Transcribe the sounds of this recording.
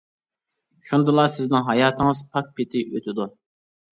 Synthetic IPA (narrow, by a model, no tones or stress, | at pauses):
ʃund̪ɨlˠɑsɪznɪŋɦɑjɑːt̪ʰɪŋɨzpʰɑk̚pʰɪt̪ʰɪʔøt̪ʰɪd̪u